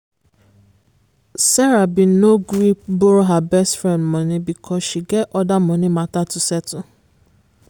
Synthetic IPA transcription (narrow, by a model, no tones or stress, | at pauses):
sɛɾabinoɡɾipboɾoɦabɛstfɹɛ̃ndmɔ̃nĩbikʰɔsʃiɡɛtɔdamɔ̃nĩmatatusɛtũ